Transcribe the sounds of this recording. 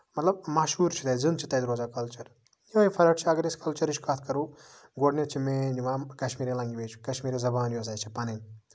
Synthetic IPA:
mɐt̪lɐb̚maʃuːɾt͡ʃʰit̪ɐzɨnt͡ʃʰit̪ɐjd̪ɾoːzaːkɐlt͡ʃɐɾ | joːipʰɐɾɐʈt͡ʃʰiɐɡɐɾeskɐlt͡ʃɐɾit͡ʃʰkat̪ʰkɐɾuː | ɡoɖnʲet͡ʃʰimẽːniʋãkɐʃmiːɾẽlɐŋɡiʋeːt͡ʃʰi̥kɐʃmiːɾezɐbaːnjoːs̬aːjt͡ʃʰipɐnɐn

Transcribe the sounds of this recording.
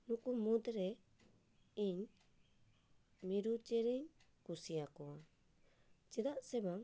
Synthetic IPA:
nukumud̪ɾe | iɲ | miɾud͡ʒeɾiɲkusiakoa | d͡ʒedasebaŋ

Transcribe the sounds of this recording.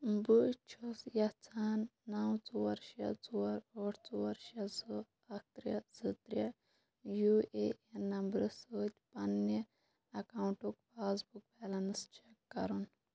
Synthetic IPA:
but͡ʃʰusjɐt͡sʰaːnːɐwt͡suʋɐɾʃɐ̰t͡suɐɾoːʈt͡suwɐɾʃɐso | ɐk̚ʰt̪ɾjɐsɨt̪ɾʲjɐ | juːeːenɐmbɾɨsoːt̪ʲpɐnːɐ | ɐkaːuɳʈukfaːsbuk̚bɛːlɐnst͡ʃekːɐ̰ɾun

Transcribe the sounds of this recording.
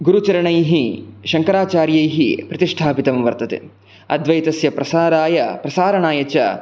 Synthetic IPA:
ɡuɾut͡ʃɐɾɐɳɐjɦiʃɐŋkɐɾaːt͡ʃaːɾjɐjɦipɾɐt̪iʂʈʰaːpit̪ɐmʋɐɾt̪ɐt̪ḛ | ɐd̪ʋɐjt̪ɐsjɐpɾɐsaːɾaːjɐpɾɐsaːɾɐɳaːjɐt͡ʃɐ

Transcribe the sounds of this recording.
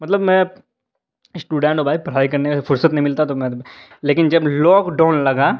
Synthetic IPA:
mɐt̪ləbmɛ̃ | sʈuːɖɛ̃ːɳʈobaːipɾɐɦaːikɐɾnekefʊɾsət̪nɐɦĩmɪlt̪at̪omɛ̃ | leːkɪnd͡ʒɐblɔːkɖaːʊnlɐɡaː

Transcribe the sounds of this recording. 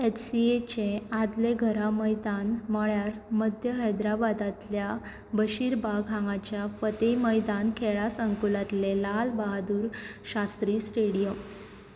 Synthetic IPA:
etsiet͡ɕẽad̪leɡʱəɾaməjd̪anməɭjaɾməd̪ʱjəɦəjd̪ɾabad̪at̪lja | bəɕiɾbʱaɡʱãŋɡat͡ɕjafət̪eməjd̪ankʰeɭasəŋkulat̪lelalbaɦad̪uːɾɕast̪ɾiːsʈeɽijəm

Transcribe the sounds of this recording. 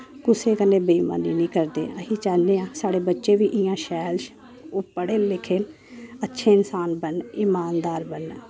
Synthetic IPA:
kʊseːkənẽːbiːma̰ːniːnĩːkəɾd̪ḛːəɦiːt͡ʃaːlneːãːsaːɽeːbətːʃeːʋiːʔɪjãːʃɛːlʃ | ʊpːəɽeːlɪkʰeːn | ətːʃʰeːɪnsaːnbənɪmaːnd̪aːɾbən

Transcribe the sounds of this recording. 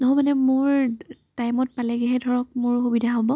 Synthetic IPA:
nɔɦɔmanɛmʊɹtajmɔt̚palɛɡɛɦɛdʱɔɹɔk̚mʊɹxubidʱaɦobɔ

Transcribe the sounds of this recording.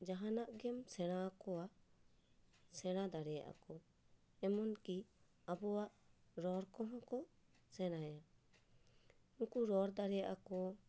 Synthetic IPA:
d͡ʒaɦanaʔɡɛmsɛɽ̃akɔa | sɛɽ̃ad̪aɾɛja̰ʔa̰kɔ | ɛmɔnki | abɔwaʔɾɔɾkɔɦɔ̃kɔ | sɛɽ̃aja | ũkuɾɔɾd̪aɾɛjaʔakɔ

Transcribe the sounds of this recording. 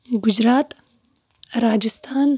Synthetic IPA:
ɡʊd͡ʒɾaːt̪ | ɾaːd͡ʒist̪ʰaːn

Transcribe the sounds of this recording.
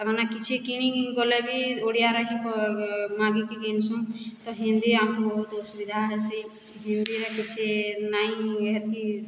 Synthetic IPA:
ɔbanakit͡ʃʰekiñiɡɔlɛbʱioɽijaɾaɦĩkɔmãɡikiɡensũt̪ɔɦĩnd̪iamkbɔɦut̪subid̪ʱaɦɛsi | ɦĩnd̪iɾekit͡ʃʰenaĩɦɛt̪̚i

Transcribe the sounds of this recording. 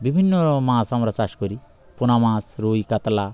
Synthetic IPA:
bibʱinːɔmãsamɾat͡saʃkɔɾi | punamãːsɾojkat̪la

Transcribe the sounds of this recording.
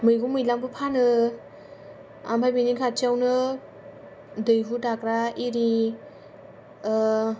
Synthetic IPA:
mɯjɡumɯjlaŋbɯpʰanɯ | a̰mpʰajbiniŋkʰat͡ʃiawnɯ | dɯjɦutakɾaiɾi

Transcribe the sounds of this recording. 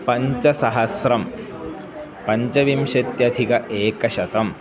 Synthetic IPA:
pɐɲt͡ʃɐsɐɦɐsɾɐm | pɐɲt͡ʃɐʋimʃet̪jɐd̪ʱikɐʔeːkɐʃɐt̪ɐm

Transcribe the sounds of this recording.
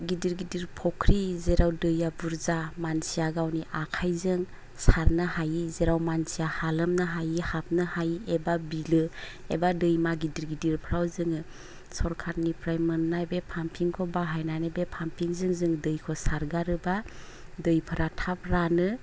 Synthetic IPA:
ɡidiɾɡidiɾpʰɔkʰɾizeɾawdɯjabuɾzamansijaɡawniʔakʰajzɯŋ | saɾnahajizeɾawmansijahalɯmnaɦajihap̚nɯhajebabilɯ | ebadɯjmaɡidiɾɡidiɾpʰɾawzɯŋɯ | sɔɾkʰat̚nipʰɾajmɯnːajbepʰampʰiŋkʰɔbaɦajnanɯbepʰampʰiŋzɯŋzɯŋdɯjkʰɔsaɾɡaɾɯba | dɯjpʰɯɾatʰap̚ɾanɯ

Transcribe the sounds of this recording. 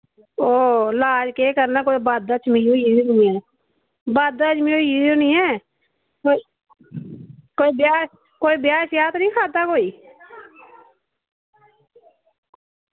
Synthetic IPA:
oːlaːd͡ʒkeːkəɾnaːkoːibaːd̪at͡ʃʰmɪoːiːd͡ʒnːɛː | baːd̪at͡ʃmiojiːd͡ʒnĩːɛː | koi | koːiːbjaː | koːiːbjaːʃjaːt̪nĩːkʰaːt̪aːkoːiː

